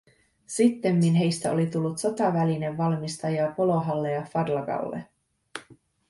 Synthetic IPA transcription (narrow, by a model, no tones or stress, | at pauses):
sit̪ːe̞mːinɦe̞jst̪æo̞̰lit̪ulːut̪so̞t̪ɑʋæline̞ʋːɑlmist̪ɑjɑpo̞lo̞ɦɑlːejɑfɑdlɑɡɑ̰lːḛ